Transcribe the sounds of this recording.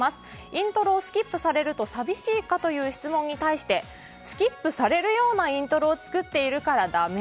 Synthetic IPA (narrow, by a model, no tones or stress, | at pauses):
masɨ̥ | ĩnt̪o̞ɾo̞ːsɨ̥kʲipːɯ̟saɾe̞ɾɯ̟t̪o̞sabʲiɕiːkat̪o̞jɯ̟ːçi̥t͡sɨmõ̞ɲ̟ːit̪aiɕi̥t̪e̞ | sɨ̥kʲipːɯ̟saɾe̞ɾɯ̟jo̞ːnaĩnt̪o̞ɾo̞ːt͡sɨ̥kɯt̪ːe̞iɾɯ̟kaɾad̪ame